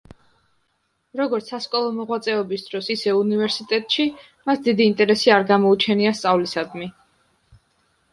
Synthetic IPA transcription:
ɾɔɡɔɾt̪sʰaskʼɔlˠɔmɔʁwat̪sʼɛɔbisd̪ɾɔsisɛunivɛɾsit̪ʼɛt̪ʼʃi | masd̪id̪iːnt̪ʼɛɾɛsiaɾɡamɔut͡ʃʰɛniast̪sʼavlisad̪mi

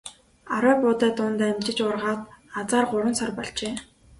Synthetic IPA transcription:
aɾæːpʊːt̪æːt̪ʊnt̪ːæmt͡ɕɪ̆t͡ɕʊrʁaːt̪at͡saːrɢʊɾə̆nsɔrpɔɮt͡ɕeː

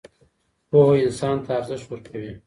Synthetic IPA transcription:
poɦoɪnsɑnt̪ʰaːɾzɪʃwəɾkʰawi

